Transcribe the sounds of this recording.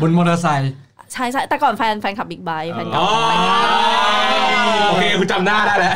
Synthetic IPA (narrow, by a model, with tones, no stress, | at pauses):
bu˧nmoː˧na˧s̬a˧j | t͡ɕʰa˥˩jt͡ɕʰa˥˩jt̪ɛː˨˩kɔː˨˩nfɛː˧nfɛː˧nkʰa˨˩p̚iː˨˩k̚ba˧jfʰɛː˧nka˨ɔː˧ | oː˧kʰeː˧kʰu˧nt͡ɕa˧mnaː˥˩daː˥˩lɛ˦